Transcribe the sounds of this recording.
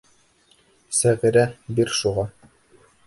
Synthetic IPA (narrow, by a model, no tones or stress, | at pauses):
sæʁiɾæbiɾʃuʁɑ